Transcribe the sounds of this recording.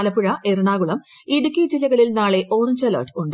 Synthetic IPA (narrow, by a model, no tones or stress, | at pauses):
lɐpːuɻɐʔeruɳaːɣuɭɐmiɽukʲːid͡ʑilːɐɣɐɭilnaːɭe̞ʔo̞ːrɲd͡ʑɐlɐ̰rʈɨuɳɖɨ